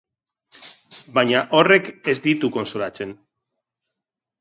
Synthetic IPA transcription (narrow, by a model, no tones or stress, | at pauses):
baɲaʔorekezd̪it̪uko̞nsolat͡se̞n